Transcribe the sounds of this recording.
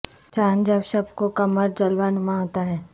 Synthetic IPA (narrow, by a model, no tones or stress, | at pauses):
t͡ʃaːnd͡ʒəbsɐbkokɐməɾd͡ʒəlʋanmãɦoːt̪aɦɛː